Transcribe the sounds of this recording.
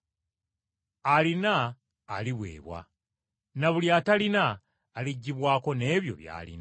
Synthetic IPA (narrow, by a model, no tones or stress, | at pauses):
alinaː | liβwe̞̰ːβwa̰ | naβuljatalinaː | liɟːiβwaːko̞ne̞ːβjo̞̰βja̰ːlḭna